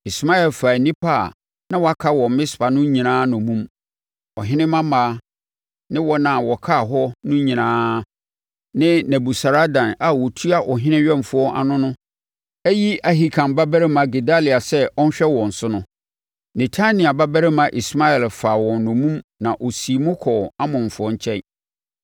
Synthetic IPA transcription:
i˨sma˦ɛ˨lfaː˨nĩ˦pʰa˦˨ | nã˦wa˦kʰa˦wɔ̃˨m˨˦mɪ̃˦spʰa˨nʊ̃˦ɲĩ˨nãː˦nʊ̃˨mũ˦m | ɔ̰˨ɦɪ̃˦nɪ̃˦mã˦maː˨˦ | nɪ̃˦wɔ˦nã˨wɔ˨kʰa˦˨ɦɔ˦nʊ̃˦ɲĩ˨nãː˦ | nɪ̃˦næ̃˨bu˨sa˨ɾa˦dã˨na˨wɔ˨tʰu˦a˦ʔɔ˨ɦɪ̃˦nɪ̃˦ɥᶣɛ̃˦˨m˨fʊ˦ɔ˦ʔa̰˨nʊ̃˦nʊ̃˦ | æ˦ji˦a˨ɦi˨kʰã˨mba˦bæ˦ɾɛ˦mã˨ɡe˨da˦li˨a˨sɛ˦ʔɔ˦n̩˦ɕᶣɛ˦wɔ̃˨n̩˨sʊ˦nʊ̃˦ | ne˨tʰa˦nĩ˨a˨ba˦bɛ˦ɾɛ˦mã˨ʔi˨sma˦ɛ˨lfa˨wɔ̃˨nnʊ̃˨mũ˦mnã˨ʔo˨si˨mʊ̃˦kʰɔ˨a˦mʊ̃˨m˨fʊ˨ɔ˦ɲ˦t͡ɕʰɛ˦

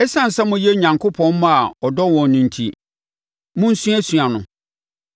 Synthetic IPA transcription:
ɛ˦sã˦n̩˨sɛ˦mʊ̃˦je˦ɲã˨ŋkʰʊ˦pʰɔ̃˦n˦mã˦a˨ɔ˨dɔ˦wɔ̃˨nnːĩ˨n˨tʰḭ˨ | mʊ̃˦n̩˦sũ˦æ˦sɥa˨nʊ̰̃˨

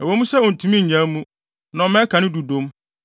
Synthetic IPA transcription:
ɛ˨wo˨˦mũ˦sɛ˦ɔ˨n̩˨tʰũ˨˦mĩ˦ɲ̩˨ã˨˦mũ˦ | nã˨˦mɛ̃˦kʰã˨nɪ̃˦du˨dõ˦m

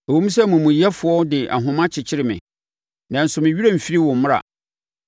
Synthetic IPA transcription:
ɛ˨wũ˦m̩˦s̬ɛ˦mʊ̃˨mũ˨jɛ˦fʊ˨ɔ˦dɪ˨ʔa̰˨ɦʊ̃˨mã˦t͡ɕʰɪ˨t͡ɕʰɪ˦ɾɪ˨mɪ̰̃˨ | nã˨n̩˨sʊ˨mɪ̃˨ɥi˦ɾa˦m̩˨fi˦ɾi˦wʊ̃˨m̩˦mʊ̃˦a̰˨

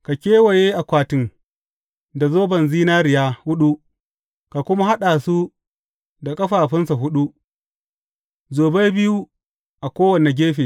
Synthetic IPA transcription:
ka˨kʲeː˦wa˨jeː˦ʔa˨kʷaː˨tɪ˦ŋ | da˨zoː˦bɐ˨nziː˦naː˦ɾɪ˨jaː˦hʊ˦ɗu˦ | ka˨kʷʊ˦ma˦ha˦ɗaː˨su˦ | da˨kʼɐ˦ɸaː˨ɸɪ˦nsa˨ɦʊ˦ɗu˦ | zoː˨be˦jbɪ˦ju˦ | ʔa˨kʷoː˦wɐ˨ne˨ɡʲeː˦ɸeː˨

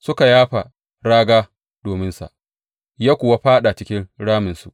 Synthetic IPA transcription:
sʊ˦ka˨jaː˦ɸa˨ | ɽaː˦ɡaː˦ | d̥oː˨mɪ˦nsa̰˨ʔ | jaː˦kʷʊ˨wa˦ɸaː˦ɗa˨t͡ʃɪ˦kʲɪ˦nɽaː˦mɪ˨nsu˨ʔ

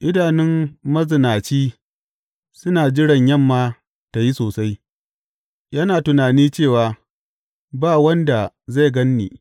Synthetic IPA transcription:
ʔɪ˦daː˨nɪ˦mmɐ˦zɪ˨naː˨t͡ʃiː˦ | sʊ˦naː˨d͡ʒɪ˦ɽɐ˨ɲjɐ˦˨mːaː˦ | ta˨ji˦soː˨sa˦j | jɐ˦naː˨tʊ˨naː˨niː˦t͡ʃeː˦˨waː˨ | baː˦˨wɐ˦nda˨ | za˦˨ɡɐ˦nːḭː˨

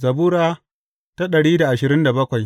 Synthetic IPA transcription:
zɐ˨buː˦ɾaː˦ | ta˦ɗɐ˨ɽiː˦da˨ʔa˨ʃɪ˨ɾɪ˦nda˨bɐ˦kʷa˨j

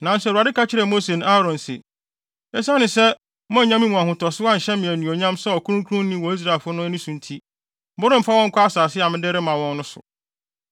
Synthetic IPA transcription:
nã˨n̩˦sɛ˨a˨dɪ˦kʰa˦t͡ɕʰɪ˦ɾɛ˨mo˦se˨na˦ɾɔ̃˨nsɪ̰˨ | ɛ˦sa˦nɪ̃˨sɛ˦ | mɔ̃˦˨ɲã˦mĩ˦mũ˨ã˨ɦʊ̃˨tʰɔ˨sɪ˦a˦˨ɕɛ˦mɪ̃˨æ˨nũ˨ɔ˨ɲã˦msɛ˦ɔ˨kʰu˦ũ˦ŋ˦kʰu˦ɾʊ̃˦n˦nĩ˦wɔ˨i˦s̬ɾa˨lfʊ˦nʊ̃˦nĩ˦sũ˨n˦tʰi˦ | bʊ˦ɾɪ̃˦m̩˨fa˦wɔ̃˦ŋ̩˦kʷʰʊ˦a˦saː˨sɪ˦a˨mɪ̃˦dɪ˦ɾɪ˦mã˨wɔ̃˦nːʊ̃˦sʊ̰˨

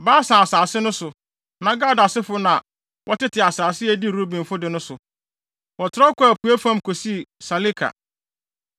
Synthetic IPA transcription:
baː˦sã˨a˨saː˨sɪ˦nʊ̃˦sʊ˨ | nã˨ɡa˦˨da˨sɪ˦fʊ˦nã˨ | wʔɔ˦tɪ˦tʰɪ˨a˨saː˨sɪ˦æ˦˨di˦˨ɾo˦bĩ˨m˨fʊ˦dɪ˨nʊ̃˦sʊ˨ | wɔ˨tʰɔ˦kɔ˦æ˨pʰu˨æ˦fã˦mkʰo˨si˦˨sa˨li˦kʰa̰˨

